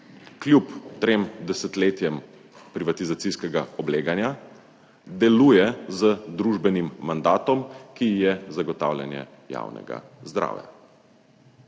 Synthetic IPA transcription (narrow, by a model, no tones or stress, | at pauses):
klʲjupt̪ɾeːmd̪ɛsɛt̪leːt̪jɛm | pɾiʋat̪izat̪siskɛɡaɔbleːɡanja | d̪ɛluːjɛzəd̪ɾuʒbɛnimːand̪aːt̪ɔmkijɛzaɡɔt̪a̰ːwlja̰njɛ̰ | ja̰wnɛ̰ɡa̰zd̪ɾa̰ːwja̰